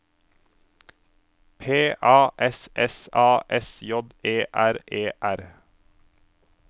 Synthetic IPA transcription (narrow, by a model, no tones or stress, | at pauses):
pʰeːʔɑːʔɛsʔɛsɑːʔɛsjɔd̪eːʔæɾeːʔæɾ